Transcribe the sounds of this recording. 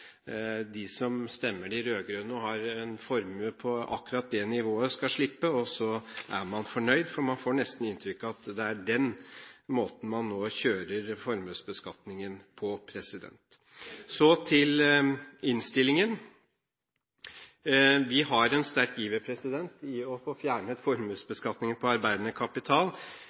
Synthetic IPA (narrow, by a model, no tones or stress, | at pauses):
d̪ɪsɔmst̪ɛmːəɖɪɾøːɡɾøːnɔɦɑɾɛnfɔɾməpʰɔɑ̰kːʉɾɑt̪̚d̪ɛnɪʋoːəskɑʂɭɪpːəɔsɔʔæɾmɑnfɔɳœʏd̪fɔɾmɑnfoːɳɛst̪n̩ɪnt̪ʰɾʏkːɑt̪d̪ɛæɖɛnmoːt̪n̩mɑnːoːçøːɾəɾfɔɾmøːsbəskɑt̪nɪŋənpʰɔpʰɾɛsɪd̪ɛ̰nt̪ | sɔt̪ʰɪl | ɪnst̪ɪlɪŋən | ʋɪɦɑɾɛnst̪æɾkiːbəpʰɾɛsɪd̪ɛnt̪ɪɔfoːfjæːɳət̪fɔɾmʉːsbəskɑt̪nɪŋənpʰɔɑɾbæɪd̪ənəkʰɑpɪt̪ʰɑːl